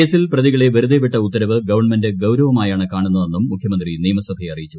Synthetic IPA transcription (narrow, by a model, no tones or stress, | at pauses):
e̞ːsilprɐðiɣɐɭe̞ʋɐɾuðepiʈːɐut̪ːɐɾɐʋɨɡɐʋɐrɳmɐndɨɡɐwɾɐʋɐmaːjaːɳɨkaːɳunːɐðe̞nːumːukʰjɐmɐnd̪riniːmɐsɐb̪ʱeɐrijit͡ɕːu̥